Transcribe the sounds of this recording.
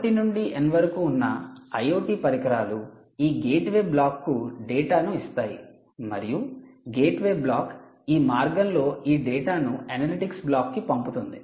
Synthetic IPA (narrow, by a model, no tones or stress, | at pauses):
ʈinuɳɖiʔenʋɐɾkuːnːɐ̰ɐjoːʈiːpɐɾikɐɾaːlu | iːɡeːʈʋe̞ːblaːkːuɖeːʈaːnuist̪aːjḭ | mɐ̰ɾijuɡe̞ːʈʋe̞ːblaːk | iːmaːɾɡɐnlo̞ːiːɖɛːʈaːnuɐnɐliʈiksblaːkːipɐmput̪und̪i